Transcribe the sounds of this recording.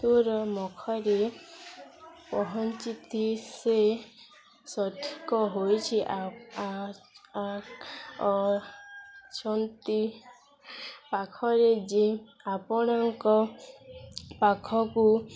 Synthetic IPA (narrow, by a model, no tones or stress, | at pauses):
t̪uɾɔmɔkʰɔɾe | pɔɦɔnt͡ʃit̪ise | sɔʈʰi̥kɔɦojt͡ʃʰiʔ | a | t͡ʃɔnt̪i | pakʰɔɾed͡ʒi | apɔɽ̃ɔŋkɔ | pakʰɔku